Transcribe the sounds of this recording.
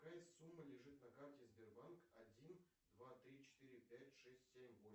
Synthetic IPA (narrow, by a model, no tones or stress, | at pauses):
kajɪssumːəlʲɪʐɨt̪nɐkartʲɪzʲbʲɪrbankɐdʲin | d̪vat̪ɾʲit͡ɕɪ̥t̪ɨɾʲɪpʲætʲʂɛsʲtʲsʲemʲvom